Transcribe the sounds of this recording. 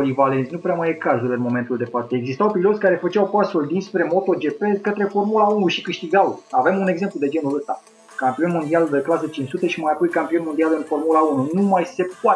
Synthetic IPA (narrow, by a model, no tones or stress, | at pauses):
livalent̪sʲnupɾeamajekazulɨnmo̞me̞nt̪uld̪e̞fat̪eeɡzist̪awpilot̪sʲkaɾe̞fət͡ʃawpasuld̪inspɾe̞mo̞t̪o̞d͡ʒe̞pe̞lkət̪ɾe̞fo̞rmulaunuʃikɨʃt̪iɡawave̞mune̞ɡze̞mplud̪e̞d͡ʒe̞nuləst̪a̰ | kampio̞nmo̞nd̪iald̪əklasət͡ʃint͡ʃsut̪eʃimajapojkampio̞nmod̪ialɨnfo̞rmulaununumajse̞poa